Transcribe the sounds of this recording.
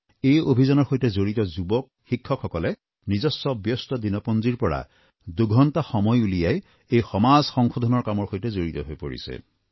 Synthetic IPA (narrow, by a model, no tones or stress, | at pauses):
ejobʱizɔnɔɹxojtɛzoɹitɔzubɔk̚xikʰːɔkxɔkɔlɛ | nizɔsːɔbjɔstɔdinɔpɔnziɹpɔɹa̰ | duɡʱɔntaxɔmɔjulijaj | ejxɔmazxɔŋxod̪ʱɔnɔɹkamɔɹxojtɛzoɹitɔɦojpo̰ɹḭsɛ̰